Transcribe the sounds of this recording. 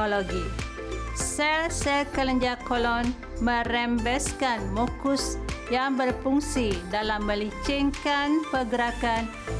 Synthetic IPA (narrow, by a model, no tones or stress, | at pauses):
oloɡi | sɛlsɛkələɲd͡ʒakolɔn | mə̃rɛmbɛskanmokʊsjaŋbərpuŋsidalamːə̃lit͡ʃiŋkanpəɡəɾakan